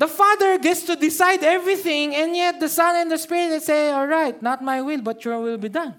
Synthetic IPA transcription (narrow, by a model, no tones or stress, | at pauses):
d̪ɐfad̪əɹɡɛt̪st̪ud̪ɪsajd̪ɛvɹiθɪ̃ŋɛ̃njɛt̪̚d̪ɐsʌ̃nɛ̃nd̪ɐspɪɹɪt̪ɛsejɔlɹajt̪̚nat̪̚majwɪlbɐt̪jɔɹwɪlbid̪ʌ̃n